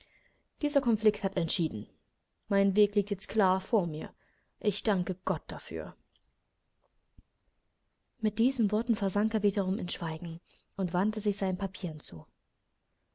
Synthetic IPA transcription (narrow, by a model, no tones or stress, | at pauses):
d̥iːzɐkʰɔnflɪkthatɛntʃiːdn̩ | maɪnveːkliːk̚tjɛt͡stkl̥aːɐfoːɐmiːɐ | ʔɪçd̥aŋkəɡ̥ɔt̚d̥afy̰ːɐ | mɪt̚d̥iːzən̩vɔɐtn̩fɛɐzaŋkeːɐviːdɐʁ̞ʊmɪnʃv̥aɪɡŋ̩ | ʔʊntv̥antəzɪçz̥aɪnənpʰapʰiːʁənt͡sṵː